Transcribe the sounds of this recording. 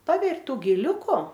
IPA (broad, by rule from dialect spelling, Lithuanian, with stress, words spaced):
ˈpɑːbʲɛrʲ ˈtuː ɡʲɪˈlʲʊkʊ